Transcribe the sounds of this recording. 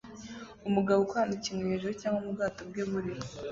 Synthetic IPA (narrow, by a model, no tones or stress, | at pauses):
umuɡaβokwaanacimŋweheʒuɾocaːŋɡomubɡaːtobɡeβuɾi